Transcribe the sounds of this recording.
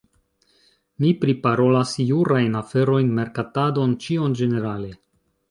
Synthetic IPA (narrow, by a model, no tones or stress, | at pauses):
mipɾipaɾo̞lasjuɾajnafe̞ɾo̞jnme̞ɾkatado̞nt͡ʃio̞nd͡ʒe̞ne̞ɾale̞